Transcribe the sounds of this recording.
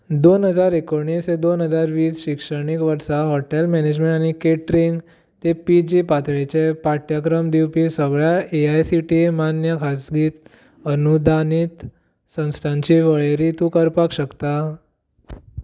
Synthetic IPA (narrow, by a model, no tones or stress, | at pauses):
d̪onɦəd͡zaɾekoɳ̃ised̪onɦəd͡zaɾʋiːsɕikʂəɳikʋəɾsaɦɔʈelmɛned͡ʑmẽɳʈañikeʈɾiŋɡ | t̪epid͡ʑipat̪ɭet͡ɕepaʈjakɾəmd̪iwpisəɡɭjaeajsiʈimanjəkʰasɡiːt̪ | ənud̪ʱanit̪ | sə̃w̃st̪ʰãɲt͡ɕiʋəɭeɾit̪ũkəɾpakɕəkt̪a